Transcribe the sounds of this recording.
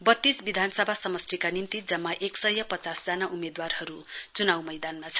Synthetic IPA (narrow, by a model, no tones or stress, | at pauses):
bʌt̪ːisbid̪ʱanʌsʌbʱasʌmʌsʈ̪ikanint̪id͡zʌmːaʔeksʌjʌpʌt͡sasd͡zanaʔumed̪warhʌɾut͡sunawmʌjd̪anmat͡sʰʌ̥